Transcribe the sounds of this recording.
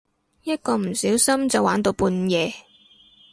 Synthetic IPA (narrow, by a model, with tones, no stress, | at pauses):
jɐ˥t̚kɔː˧m̩˨˩siː˨˥wsɐ˥mt͡sɐ˨waː˨˥nt̪o˧wpuː˧njɛː˨˧